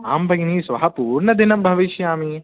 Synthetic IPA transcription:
aːmbɐɡniːsʋɐɦɐpuːɾɳɐd̪inɐmbʱɐʋiʃjaːmi

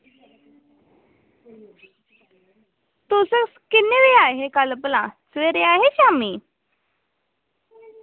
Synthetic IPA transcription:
t̪osəkskinːeʋeaɦekaləplãsʋeɾeaɦeɕami

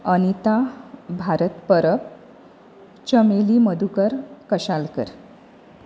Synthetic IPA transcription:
əñit̪abʱaɾət̪pəɾəp̚ | t͡ɕəmeliməd̪ʱukəɾkəɕalkə̰ɾ

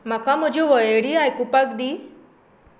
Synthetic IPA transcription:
makamũd͡ʒiʋɔjeɽiajkupakd̪i

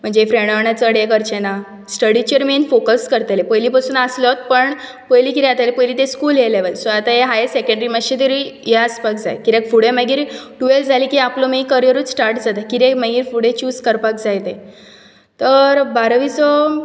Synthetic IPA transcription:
m̤əɳd͡zefɾẽɳɖɳ̃at͡səɽjekəɾt͡ɕena | sʈəɽit͡ɕəɾminfokəskəɾt̪alepəjlipasuːnaslɔt̪̚pəɳ | pəjlikit̪ɛ̃at̪alepəjliːt̪ẽskuːlɦeleʋəlsɔat̪ajeɦajesekə̃ɳɖəɾiməɕet̪əɾijɛəspakd͡za̰jkiɾekfuɽeməɡiːɾɖueld͡zʱalikiaplɔmikəɾijəɾuːt͡ssʈaɾʈd͡zat̪akiɾekməɡiːɾfuɽẽt͡ɕuːskəɾpakd͡zajt̪e | t̪əɾbaɾəʋit͡sɔ

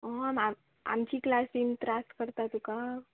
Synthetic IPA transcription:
ɦma | a̰mt͡ɕiːklasimt̪ɾasʈkəɾt̪at̪uka

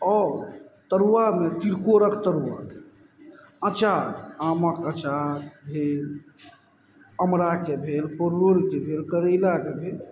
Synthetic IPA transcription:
ɔːɾt̪əɾuʋamet̪iɾkoɾəkt̪əɾuʋa | ət͡ʃaaməkət͡ʃabʱel | əmɾakebʱelpoɾːoɾikebʱelkəɾəɪlakebʱel

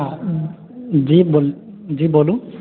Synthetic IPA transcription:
a | zibol | zibolũ

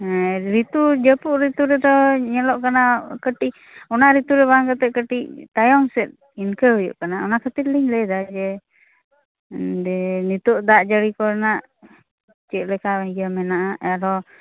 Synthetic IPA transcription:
ɾit̪ud͡ʒəpuʔɾit̪uɾɛd̪ɔɲɛlɔʔkanakəʈiʔ | ɔnaɾit̪uɾɛβaŋkat̪ɛkəʈiʔt̪ajɔŋsɛt̪̚ | inkəɦɔjṵʔkanaɔnakʰət̪it̪̚liɲləd̪ad͡ʒɛ | dɛnit̪ɔʔd̪aʔd͡ʒəɽikɔɾnaʔ | t͡ʃɛʔ̪̚ˀlɛkaɛɡəmɛnaʔaaɾɔ

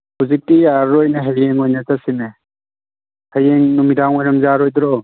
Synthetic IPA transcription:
huzik̚tijaɾɾojneɦejeŋojnɐtasine | hɐjeŋnumidaŋojɾɐmzaɾojd̪ɾɔ

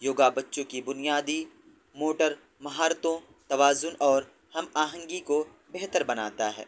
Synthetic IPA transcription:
joːɡabɐtːʃõkibʊnijaːd̪i | moːʈəɾ | mɐɦaːɾt̪õ | t̪ɐʋaːzʊnʔɔːɾ | hɐmaːɦə̃ŋɡiko | bɛɦt̪əɾbɐna̰ːt̪aɦɛ̰ː

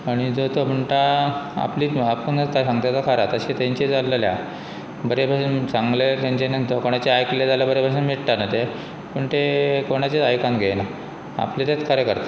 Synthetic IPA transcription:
aɽ̃id͡zət̪om̤ʱəɳʈaa̰pliːapəɳnət̪asãŋɡt̪at͡sakʰaɾat̪əɕit̪ãɲt͡ɕed͡zalːəlja̰ | bəɾebʱaɕsãŋɡlet̪ãɲt͡ɕenənt̪əɾkoɽ̃at͡ɕeajkled͡zalabəɾebʱaɕamiɽʈ̪anət̪e | pəɳt̪ekoɽ̃at͡ɕeajkãnɡʱena | a̰plet̪at̪kʰaɾjekəɾt̪ḁ

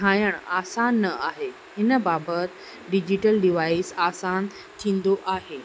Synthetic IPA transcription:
ãjəɳ̃asanːəaɦe | ɦɪnəbabət̪ | ɖid͡ʑiʈəlɖiʋaisasan | t̪ʰĩːnd̪oʔaɦe

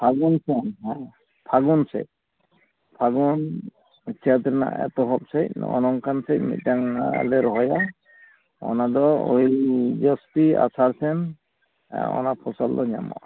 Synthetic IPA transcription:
pʰaɡɔnsɛnɦɛ | pʰaɡunsɛ̰c̚ | pʰaɡɔn | t͡ʃʰɛt̪ɾɛna̰ɛ̰t̪ɔɦɔp̚sɛc̚ɔ̰nɔŋkansɛc̚mḭt̪̚ˀtaŋlɛɾɔɦɔja | ɔ̰nad̪ɔo̰id͡ʒɔst̪ia̰saɾsɛn | ɔ̰napʰɔsɔld̪ɔɲa̰mɔ̰

